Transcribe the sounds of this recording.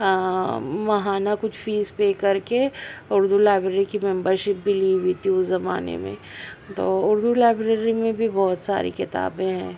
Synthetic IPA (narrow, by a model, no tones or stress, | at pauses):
mɐɦaːnakʊt͡ʃʰfiːzpeːkɐɾkeʊɾd̪ulaːbɾeːɾikimɛ̃mbəɾʃɪp̚bʱiliːwiːt̪iʊszɐma̰ːnḛmḛ̃t̪oːʊɾd̪ulaːɪbɾeːɾimẽbʱibɔːt̪sa̰ːɾḭkɪt̪a̰ːbẽɦɛ̰̃ː